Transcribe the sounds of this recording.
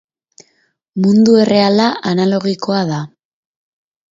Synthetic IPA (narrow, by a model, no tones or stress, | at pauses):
mund̪ue̞re̞alaʔanalo̞ɣiko̞aða